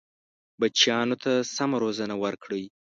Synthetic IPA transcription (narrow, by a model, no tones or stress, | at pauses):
bat͡ʃjɑnot̪ʰasamaɾozanawəɾkɽəj